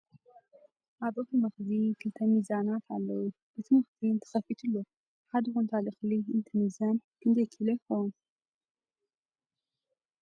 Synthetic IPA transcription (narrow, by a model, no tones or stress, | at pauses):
ʔabʔot̪ɨmɐxzikʰɨlt̪ʰɐmizanat̪ʕalːɐwu | b̥ɨt̪ʰɨmɐxdint̪ʰɨ̥xɐfit̪ʰɨlːo | ħad̪ɨxunt̪ʰalixliɨnt̪ʰɐmizankʰɨnd̪ɐkʰilexown